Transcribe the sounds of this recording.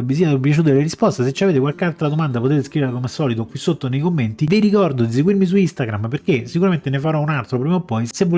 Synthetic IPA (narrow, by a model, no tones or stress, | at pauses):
visiap̬jat͡ʃuːt̪̬eleɾispɔst̪eset͡ʃːiaveːt̪ekwalkalt̪ɾad̪omand̪apot̪eːt̪eskɾiʋeɾlakomɛsɔːlit̪okːwisːot̪ːonejkomːent̪iviɾikɔrd̪od̪is̬eɡwirmis̬uist̪aɡɾamperkesikuɾament̪enefaɾɔunalt̪ɾopɾiːmaopːɔjsevːo